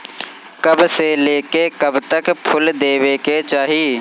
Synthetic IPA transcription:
kɐbseleːkekɐbt̪əkpʰʊld̪eːweːket͡ʃaːɦiː

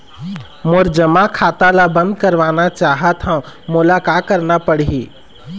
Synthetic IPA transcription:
moɾd͡ʒəmakʰaːt̪alabə̃nd̪̚kəɾʋaːnat͡ʃaːɦət̪ɦãũmʊlakakəɾnapəɽiɦiː

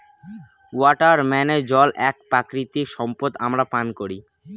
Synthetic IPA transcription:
wɔʈaɾmɛned͡ʑɔlʔɛk̚pɾakɾit̪iʃɔmpot̪amɾapankoɾi

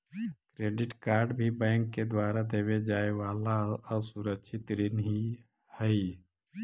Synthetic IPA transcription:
kɾeːɖɪʈkaːɾɖbʱibɛ̃ːŋkːed̪waːɾad̪eːbed͡ʒaːeʋaːlaɔsuɾəkʃʰɪt̪ɾinɦi | həi

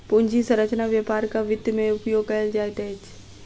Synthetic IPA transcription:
pʊɲd͡ʑʱisɐ̃ɾət͡ʃnaʋjapaːɾkaʋɪd̪mẽʊpjoːɡ̚kɐəld͡ʒaːet̪eɪt͡ʃ

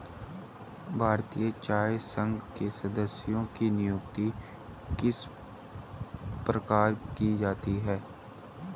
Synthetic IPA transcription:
bʱaːɾt̪ijət͡ʃaːesə̃ŋɡkesəd̪əsɪjõkinɪjʊːk̚t̪i | kɪs | pɾəkaːɾkid͡ʒaːt̪iɦɛː

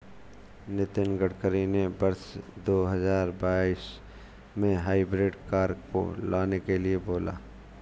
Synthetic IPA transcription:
nɪt̪ɪnɡəɽkəɾinebɐɾsd̪oːɦɐzaːɾbaːɪs | mẽɦaːɪbɾeːɖkaːɾko̰laːnekelieboːla̰ː

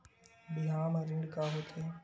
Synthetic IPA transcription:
bɪɦaːmaɾɪɳɖkaɦoːt̪ʰe

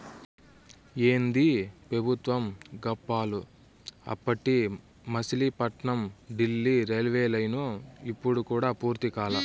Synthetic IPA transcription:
eːnd̪ipɾɐbʱut̪ʋɐmɡɐpːaːlu | ɐ̰pːɐʈːi | mɐsilipɐʈɳɐmɖilːiɾelʋeːlɐjnuipːuɽukuːɽaːpuːɾt̪ikaːlɐ

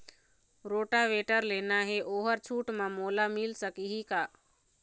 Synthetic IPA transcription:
ɾoːʈaʋeʈəɾlenaɦeʔoːɦəɾt͡ʃʰuːʈmãmolamilsəkiɦika

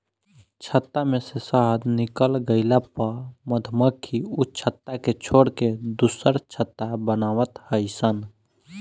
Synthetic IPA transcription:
t͡ʃʰət̪ːamẽsesaɦd̪nɪkəlɡəɪlapaməd̪ʱməkʰːiut͡ʃʰət̪ːaket͡ʃʰoːɽked̪usəɾt͡ʃʰət̪ːabənaːʋət̪həɪsən

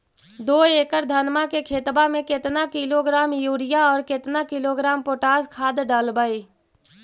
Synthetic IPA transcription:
d̪oːeːkəɾd̪ʱənmakekʰeːt̪bamẽkɪt̪nakɪloɡɾaːmjuːɾɪjaɔːɾkɪt̪nakɪloːɡɾaːmpoːʈaːzkʰaːd̪ɖaːlbaːiː

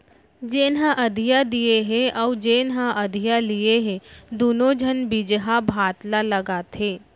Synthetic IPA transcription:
d͡ʒeːnɦãʔɐd̪ʱijad̪ieɦẽʔɔːd͡ʒeːnɦãʔɐd̪ʱijalieɦẽd̪oːnod͡ʒʱənbid͡ʒɦabʱaːt̪lalɐɡat̪ʰeː

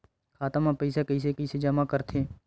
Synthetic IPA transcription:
kʰaːt̪mãpəisekəis̬ekəised͡ʒəmakəɾt̪ʰeː

